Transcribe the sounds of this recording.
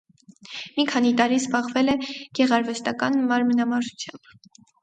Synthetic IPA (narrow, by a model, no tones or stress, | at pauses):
mikʰɑnit̪ɑɾizbɑʁvɛlɛɡ̥ɛʁɑɾvɛst̪ɑkɑnmɑɾmənɑmɑɾʒut͡sʰjɑmb̥